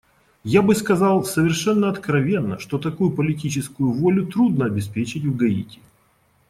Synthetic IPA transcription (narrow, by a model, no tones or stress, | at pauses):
jabɨskɐzɑlˠsəvʲɪrʂɛnːəɐt̪kɾɐvʲe̞nːə̰ʂt̪o̞t̪ɐkujʊpəlʲɪtʲit͡ɕɪskʊjʊvolʲʊt̪ɾud̪nəɐbʲɪspʲet͡ɕɪtʲvɡɐḭtʲɪ̥